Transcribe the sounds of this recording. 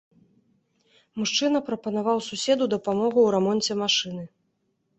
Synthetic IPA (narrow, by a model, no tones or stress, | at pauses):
muʂt͡ʂɨn̪ɐpɾɐpɐnavawsusʲɛd̪ud̪ɐpamɔɣuwɾamɔnʲt͡sʲɛmaʂɨn̪ɨ